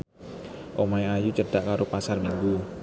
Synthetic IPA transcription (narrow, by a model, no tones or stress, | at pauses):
ʔomajajut͡ʃəɖ̥aʔkaɾopasarmiŋɡu